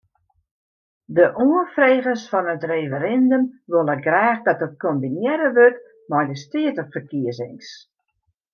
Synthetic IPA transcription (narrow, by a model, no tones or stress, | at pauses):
dəʔuəfreːɣəsfɔnətrefəɾɛndəmʋolˠəɡrɛːxdɔtət̚kombinjɛɾəʋøt | mɔjdəstiətəχfərkiəsɪŋs